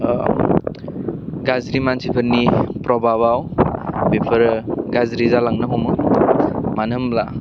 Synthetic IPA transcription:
ɡazɾimansipʰɯɾnipɾɔbʱaβawbepʰɯɾɡazɾizalaŋnɯɦɔmɯ | manɯmla

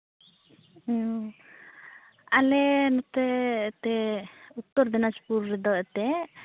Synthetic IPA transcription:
alɛnɔt̪ɛt̪ɛut̪ːɔɾd̪ɛnad͡ʒpuɾːɛd̪ɔʔɛt̪ɛ

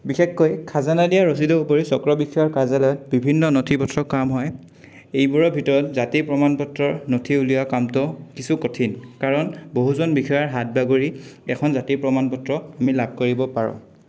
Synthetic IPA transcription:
bixekːojkʰazanadijaɹos̬idɔupoɹisɔkɹɔbixʰɔjaɹkazalɔjɔt̚bibʱinːɔnotʰipɔtʰɹɔkːamɦɔj | ejbuɹɔbʱitɔɹɔtzatipɹɔmanpɔtɹɔɹnotʰiulijakamtɔkisukotʰinkaɹɔnboɦuzɔnbixʰɔjaɹɦat̚baɡoɹiɛkʰɔnzatipɹɔmanpɔtɹɔamilab̚ʱkoɹibɔpaɹɔ̰̃

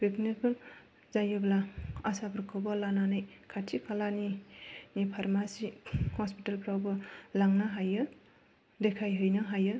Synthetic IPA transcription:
pek̚nikʰɯl | zajɯblaasabɯɾkʰɯbalananɯjkʰatʰikʰalaninipʰaɾmasihɔspitalpɾawbɯlaŋnaɦajɯ | dekʰajɦɯjnɯɦajɯ

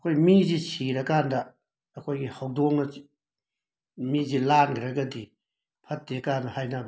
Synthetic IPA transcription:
ɐkʰojmizisiɾɐkandɐː | kʰojɡihawdoŋnɐ | mizilanɡʰɾɐɡɐdi | pʰɐt̚dekanɐhajnab

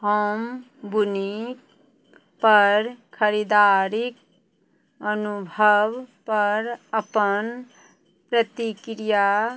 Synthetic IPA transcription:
ɦəm | buni | pəɾkʰəɾid̪aɾik̚ | ənubʱəʋpəɾəpən | pɾət̪ikɾija

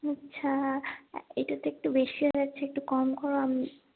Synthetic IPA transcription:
atːɕʰa | ḛʈat̪oek̚ʈubeʃioɾatːt͡ɕʰeek̚ʈukɔmkɔɾoami

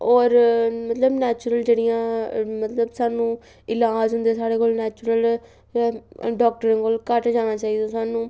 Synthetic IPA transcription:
ɔːɾmət̪ləbnɛːt͡ʃʊɾəld͡ʒeːɽɪjãːmət̪ləbsaːnũː | ɪlaːd͡ʒɦʊnd̪eːsaːɽeːkoːlnɛːt͡ʃʊɾəl | ɖɔːk̚ʈəɾənkoːlkəʈd͡ʒaːnãːt͡ʃaːiːd̪õːsaːnũː

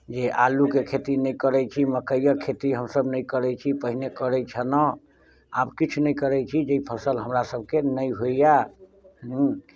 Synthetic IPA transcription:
d͡ʒeʔalukekʰet̪inəjkəɾɛt͡ʃʰiməkəjjəkʰːet̪iɦəmsəbnəjkəɾɛt͡ʃʰipəɦinekəɾɛt͡ʃʰənə | a̰bkit͡ʃʰnəjkəɾɛt͡ʃʰid͡ʒeipʰəsəlɦəmɾasəb̚ʱkenəjɦoija | ɦ

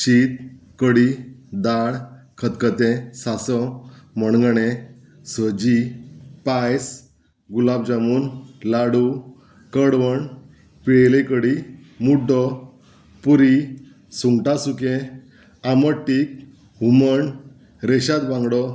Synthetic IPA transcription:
ɕiːt̪̚ | kəɽid̪aɽkʰət̪kət̪ẽsasɔməɳɡɳẽ | səd͡ʑipajs | ɡulab̚d͡ʑamuːnlaɽu | kəɽʋəɳ | peɭlekəɽi | muɖɔ | puɾi | suŋɡʈasukẽ | aməʈːik̚ | ɦuməɳ | ɾeɕat̪bãŋɡɽɔ

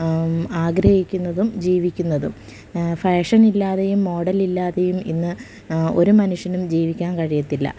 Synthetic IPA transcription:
aːɡɾɐhikʲːunːɐðumd͡ʑiːʋikʲːunːɐðum | feːʂɐnilːaːðejumːo̞ːɽɐlilːaːðejumḭnːɨ | o̞ɾumɐnuʂjɐnumd͡ʑiːʋikʲːaːnkɐɻijɐt̪ːilːɐ̰

